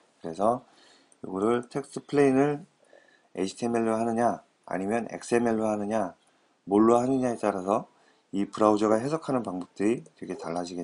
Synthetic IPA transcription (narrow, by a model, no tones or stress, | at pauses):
kɯɾe̞sʰʌ | jo̰ɡʌɾɯɭtʰe̞k̚s͈ʰɯpʰɯɭeinɯɭ | ḛɕʰi̥tʰeme̞ɭːoɦanɯɲa | a̰ɲimjʌne̞̰k̚s͈ɯe̞me̞ɭːohanɯɲa | moɭːwaɦanɯɲaet͈aɾasʰʌ | ipɯɾaud͡ʑʌɣaɦe̞sʰʌkʰanɯnpaŋbʌp̚t͈ɯɾitwekʰetaɭːad͡ʑiɡet